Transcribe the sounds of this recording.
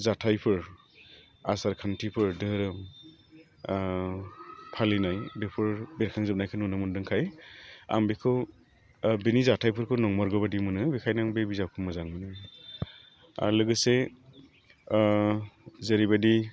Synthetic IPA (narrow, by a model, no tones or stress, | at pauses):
zatʰajpʰɯɾ | asaɾkʰantʰipʰɯɾdɯɾɯm | pʰalinajbepʰɯɹbeɾkʰaŋzɯp̚najkʰɯnunɯmɯndɯŋkʰaja̰mbikʰɯw | benizatʰajpʰɯɾkʰɯnɔŋmɔɾɡɯbadimɯnɯbikʰajnaŋbebizawkʰɯmɯzaŋmɯnɯ | a̰lɯɡɯse | zeɾibadi